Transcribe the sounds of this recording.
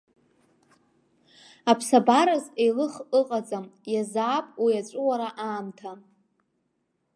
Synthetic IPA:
apʰsabaɾazejlɨχɨqʼad͡zamjazaːpʼwijat͡ɕʷʼʊwaɾaʔaːmtʰa

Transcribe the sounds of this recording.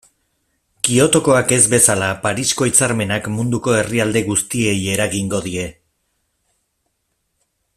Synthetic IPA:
kio̞t̪o̞ko̞ake̞zbe̞salapaɾisko̞it͡saɾme̞nakmund̪uko̞e̞riald̪e̞ɣust̪ie̞je̞ɾaɣiŋɡo̞ðie̞

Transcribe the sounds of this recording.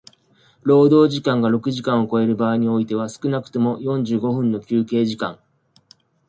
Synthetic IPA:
ɾo̞ːd̪o̞ːʑikãŋɡaɾo̞kɯ̟ʑikãɰ̃o̞ko̞e̞ɾɯ̟baːiɲ̟io̞it̪e̞βasɨ̥kɯ̟nakɯ̟̥t̪o̞mo̞jõ̞ɲ̟d͡ʑɨːɡo̞ɸɯ̟̃nːo̞kʲɨːke̞ːʑikã̰ŋ

